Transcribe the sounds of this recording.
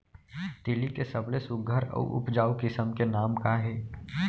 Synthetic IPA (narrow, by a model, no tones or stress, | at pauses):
t̪ɪlikesəblesʊɡʱəɾə̰ṵʔʊ̰pd͡ʒaːukɪsəmkenaːmkaɦɛː